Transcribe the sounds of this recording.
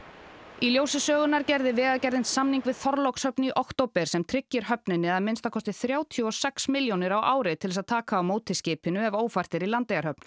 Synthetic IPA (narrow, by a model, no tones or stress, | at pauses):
iljoːwsɪsœːɣʏnaɾcɛjɾðɪvɛːɣaðcɛjɾðɪnsamniŋkvɪðθɔɾlowkshœpniʔɔwht̪owpɛɾ̥sɛmt̪ʰɾɪcːɪɾ̥ɦœpnɪnːɪðaðmɪnst̪akɔst̪ɪθɾjaːwt̪ʰjɔsɛksmɪljownɪɾawʔaːwɾɪt̪ʰɪlɛsaðt̪ʰaːkaːwmoːwt̪ʰɪscɪːpɪnʏɛvoːwfar̥t̪ɪɾilant̪ejaɾhœp̚n